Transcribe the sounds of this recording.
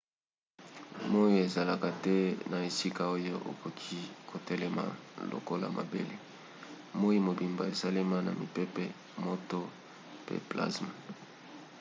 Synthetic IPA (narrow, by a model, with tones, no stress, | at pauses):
mo˦jo˦e˨za˨la˨ka˨tɛ˦na˨e˨si˦ka˦˨o˦jo˦ʔo̰˨ko˨kʰi˦kʰo˨tɛ˦lɛ˦ma̰˨lo̰˨ko˦la̰˨mʔa̰˨bḛ˦le˨ | mo˦i˦mo˨bi˨mba˨e˨sa˦le˦ma˦na̰˨mi˨pe˦pɛ˦ | mo˦to˦ | pḛ˨pla̰˦sma˨